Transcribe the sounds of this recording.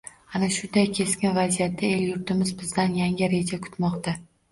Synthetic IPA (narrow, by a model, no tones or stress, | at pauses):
anaʃʊd̪ajkʲʰe̞skʲɪnvazijat̪ːae̞ljʊɾt̪ʰɪmɪzbɪzd̪anjaŋʲɪɾe̞d͡ʒakʰʊ̥t̪mɒqt̪a